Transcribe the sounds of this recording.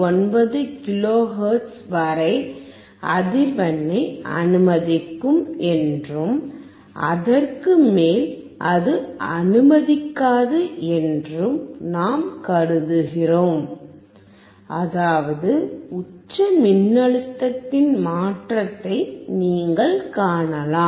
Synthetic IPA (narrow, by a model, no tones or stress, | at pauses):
ɔnbɐðɯkɪloːɦɐːɾʈsʋɐɾɐɪ | ʔɐðɪʋɐnːɐɪʔɐ̰nɯmɐðɪkːɯmɛndrɯm | ʔɐ̰ðɐrkɯmeːl | ʔɐðɯɐnɯmɐðɪkːaːðɯʔɛndrɯmnaːmkɐɾɯðɯɣɪroːm | ʔɐðaːʋɐðɯʊt͡ʃːɐmɪnːɐɻɯt̪ːɐt̪ːɪnmaːʈrɐt̪ːɐɪniːŋɡɐɭkaːɳɐlaː